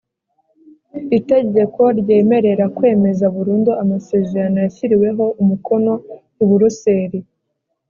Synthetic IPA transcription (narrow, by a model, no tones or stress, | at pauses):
ite̞ɟe̞ko̞ɾɟe̞ːme̞ɾe̞ɾakwe̞ːme̞zauβuɾuːnduamase̞zaɾanojaçiɾiwe̞ɦo̞ʔumukʰo̞no̞ | iβuɾuse̞ːɾi